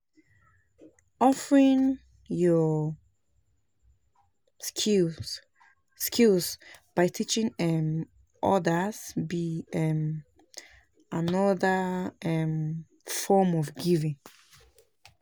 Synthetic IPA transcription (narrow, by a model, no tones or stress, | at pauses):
ɔfəɹĩŋ | jɔ | skilsb̥aɪtʰit͡ʃĩŋɛm | ɔ̰dəzbiɛm | anɔðəɛm | fɔmɔvɡivĩŋ